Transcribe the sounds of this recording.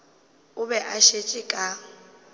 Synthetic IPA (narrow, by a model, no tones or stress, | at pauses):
ʊbɛʔaʃet͡ʃʼɪkʼa